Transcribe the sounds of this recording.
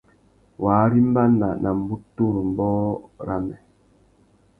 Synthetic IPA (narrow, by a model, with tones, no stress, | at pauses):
waː˨˦ɾi˦m˦ba˦na˨nʔa˨m̩˨bu˦tu˦˨ɾm̩˨bɔː˦ɾa˦mɛ˨